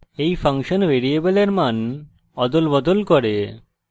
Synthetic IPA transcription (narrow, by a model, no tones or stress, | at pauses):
ejfʰaŋʃonʋeɾieboleɾman | ɔd̪olbɔd̪olkɔɾe